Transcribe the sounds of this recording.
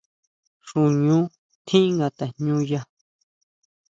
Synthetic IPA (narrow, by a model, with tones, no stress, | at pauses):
ʂu˨ɲũ˦ | t̪ʰĩ˦ʔŋɡa˧t̪a˨ɲɲũ˦ja˧